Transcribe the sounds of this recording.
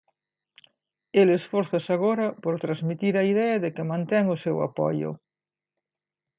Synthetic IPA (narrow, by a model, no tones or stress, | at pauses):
elesfɔɾθasaɣ̞oɾɐpoɾt̪ɾazmit̪iɾɐiðɛɐðekɪmãnt̪ɛŋʊsewa̰pɔ̰jʊ̰